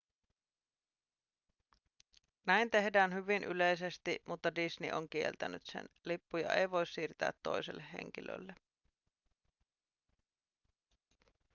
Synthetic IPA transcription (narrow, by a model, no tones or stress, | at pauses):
næint̪e̞hdæːnhyʋinʔylejsest̪iʔmut̪ːɑdisnḭʔoŋkie̞̰lt̪ænyt̪sḛnlipːujɑ̰ʔejʋo̞jssiːrt̪æ̰ːt̪ːo̰jselːehhːḛŋkilø̰lːe